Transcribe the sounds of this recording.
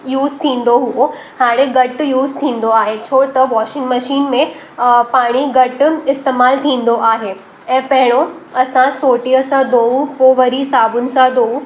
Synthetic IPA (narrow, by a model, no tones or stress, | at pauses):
juːzt̪ʰĩːn̆d̪oɦuo | haːɽ̃ẽɡɐʈjuːzt̪ʰĩːn̆d̪oaːɦet͡ɕʰoːt̪ɐʋɔːʃɪ̃ŋɡmɐʃiːnmẽ | paːɽ̃iɡɐʈɪst̪eːmaːlt̪ʰĩːn̆d̪oʔaːɦeː | ɛ̃ːpɐɦɪɽ̃oɐsãsoːʈiəsãd̪oːupoːʋəɾisaːbʊnɪ̆sãd̪oːu